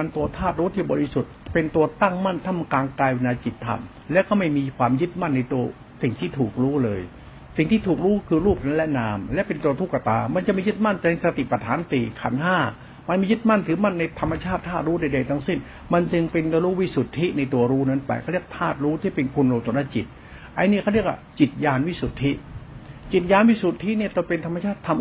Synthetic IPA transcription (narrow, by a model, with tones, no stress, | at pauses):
a˧nt̪u˧ɐt̪ʰaː˥˩t̪̚ɾuː˦˥t̪ʰiː˥˩bɔː˧ɾi˦˥su˨˩t̪̚pe˧nt̪u˧ɐt̪a˥˩ŋma˥˩nt̪ʰa˧˥˩mkaː˧ŋkaː˧jwe˧naː˧t͡ɕi˨˩t̪ʰːa̰˧m | lɛ˦˥wkɔː˥˩ma˥˩jmiː˧kʰwaː˧mjɯ˦˥t̪̚ma˥˩nːa˧jt̪u˧ɐ | si˨˩ŋt̪ʰiː˥˩t̪ʰuː˨˩k̚ɾuː˦˥lɤː˧j | si˨˩ŋt̪ʰiː˥˩t̪ʰuː˨˩k̚ɾuː˦˥kʰɯː˧ɾuː˥˩p̚na˦˥nlɛ˦˥naː˧mlɛ˦˥ʔpe˧nt̪u˧ɐt̪ʰu˦˥˩kːa˧t̪a̰ː˧ma˧nt͡ɕa˨˩ʔmiː˧jɯ˦˥t̪̚ma˥˩nt͡ɕ̪a˨˧˩sa˧t̪i˨˩pa˧t̪ʰaː˩˦nt̪iː˨˩kʰa̰˨˩nɦaː˥˩ | ma˧nmiː˧jɯ˦˥t̪̚ma˥˩nt̪ʰɯː˩˦ma˥˩nːa˧jt̪ʰa˧mːa˧t͡ɕʰaː˥˩t̪ʰːaː˥˩t̪̚ɾuː˦˥da˧jda˧jt̪ʰa˥ŋsi˧˩n | ma˧nt͡ɕɯ˧ŋpe˧n˧ɾuː˦˥wi˦˥˩su˨˩t̪ʰːi˦˥na˧jt̪u˧ɐɾuː˦˥na˦˥npa̰˧jkʰa˥˩ɾi˥˩ək̚t̪ʰaː˥˩t̪̚ɾuː˦˥t̪ʰiː˥˩pe˧nkʰu˧nɾoː˧mt̪u˧˦na˥˩t͡ɕi˨˩t̪̚ | ʔa˧jni˥˩kʰa˥˩ɾi˥˩əkwa̰˧˩t͡ɕi˨˩t̪̚jaː˧nwi˦˥su˨˩t̪ʰːi˦˥ʔt͡ɕi˨˩t̪̚jaː˧nwi˦˥˩su˨˩t̪ʰːi˦˥˨ni˥˩t̪o˧pe˧nt̪ʰa˧mːa˧t͡ɕʰaː˥˩t̪ʰːa˧m